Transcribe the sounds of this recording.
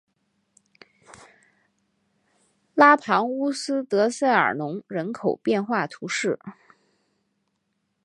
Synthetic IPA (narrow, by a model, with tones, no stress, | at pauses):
la˥pʰɑ˧˥ŋu˥sɹ̩˥t̪ɤ˧˥sa˥˩ɪə̰˞˨˩nʊ˧˥ŋɻə˧˥nkʰo˨˩ʊpjɛ˥˧nxwa˥˩t̪ʰu˧˥ʂɻ̩˥˩